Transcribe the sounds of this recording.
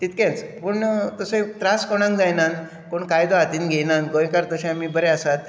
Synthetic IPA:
t̪it̪kẽnt͡spuɳt̪əset̪ɾaskoɽ̃ãŋkd͡zajnãn | koɳkajd̪oat̪iːnɡʱejnãnɡojkaɾt̪əɕãmiːbəɾeasat̪̚

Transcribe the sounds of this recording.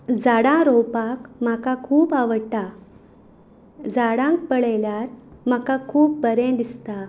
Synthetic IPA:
d͡zaɽãɾowpakm̤akakʰuːpaʋəɽʈa | d͡zaɽãŋk̚pəɭɛljaɾm̤akakʰuːp̚bəɾẽd̪ist̪a

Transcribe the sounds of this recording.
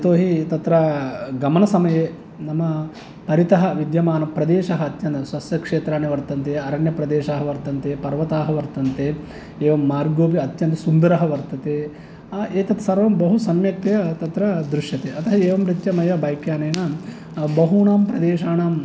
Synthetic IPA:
t̪oːɦit̪ɐt̪ɾɐɡɐmɐnɐsɐmɐjeː | nɐmɐ | pɐɾit̪ɐɦɐʋid̪jɐmaːnɐpɾɐd̪eːʃɐɦɐːt̪jɐnt̪ɐswɐsjɐkʂeːt̪ɾaːneʋɐɾt̪ɐnt̪eːɐɾɐɳjɐpɾɐd̪eːʃaːɦɐʋɐɾt̪ɐnt̪eːpɐɾʋɐt̪aːɦɐʋɐɾt̪ɐnt̪eː | eːʋɐmːaːɾɡoːpiɐt̪jɐnt̪ɐsund̪ɐɾɐɦɐʋɐɾt̪ɐt̪eː | eːt̪ɐt̪ɐsɐɾʋɐmbɐɦusɐmjɐk̚t̪ɐjɐt̪ɐt̪ɾɐd̪ɾuʂjɐt̪eːɐt̪ɐɦɐeːʋɐmɾit̪jɐmɐjɐbaːjkjaːneːnɐ | bɐɦuːnaːmpɾɐd̪eːʂaːnaːm

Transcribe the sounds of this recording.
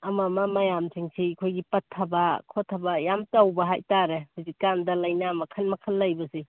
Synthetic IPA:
amamamajamsʰiŋsʰikʰojɡipɐtʰːabakʰotʰːabajamtawbɐɦa̰jtaɾehuzikkandɐlajnamɐkʰɐnmɐkʰəlːajbɐsi

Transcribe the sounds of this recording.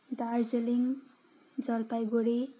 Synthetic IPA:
dard͡zeliŋ | d͡zʌlpajɡoɽe

